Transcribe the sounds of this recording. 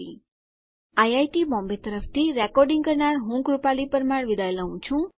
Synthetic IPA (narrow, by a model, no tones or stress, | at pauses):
i | ajajʈibɔ̃mbet̪əɾəpʰt̪ʰiɾekɔɾɖiŋɡʌɾnaɾɦũkɾupalipəɾmaɾʋid̪ajlaũt͡sʰũ